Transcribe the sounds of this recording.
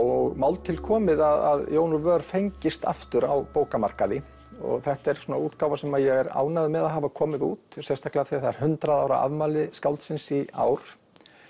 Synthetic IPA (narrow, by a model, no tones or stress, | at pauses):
ɔɣmaːwlt̪ʰɪlkʰɔːmɪðaða̰ðjoːwnʏvœːɾfejɲcɪst̪a̰ft̪ʏɾawpoːwkamar̥kaðɪ | ɔ̰ɣθɛht̪aɛɾ̥suːnauːt̪kawvasɛmaðjɛɣɛɾa̰ːwnaðʏmɛðaðɦaːvakʰɔːmɪðuːt̪sɛst̪ahklɪɣafθiθaɛɾ̥hʏnt̪ɾaðaːwɾa̰ʔa̰ðmaːlɪskawlt̪sɪnsia̰ːwɾ̥